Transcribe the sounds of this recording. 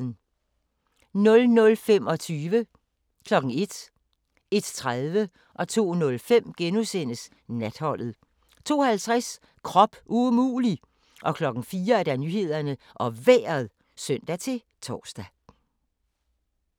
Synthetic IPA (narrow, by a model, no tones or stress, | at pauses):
n̩ | nɔ̽lnɔ̽lfem̰ɒ̽t͡sʰyːʋə | kʰlɒ̽ɡ̥ŋ̩e̝d̥ | e̝d̥t͡sʰʁaðˠʋə | ʔɒ̽t͡sʰo̝̰ːnɔ̽lfem̰ɡ̥enusen̰əs | næd̥hɒ̽l̰ð̞̩ˠ | t͡sʰo̝̰ːhælt͡sʰʁas | kʰʁɒ̽b̥ʔumṵːli | ʔɒ̽kʰlɒ̽ɡ̥n̩fiːɐæɐd̥ænyːɦe̝ð̰ˠɐnə | ʔɒ̽ʋḛːɐð̩ˠ | sœn̰d̥æt͡sʰe̝ | t͡sʰɒ̰ːsd̥æ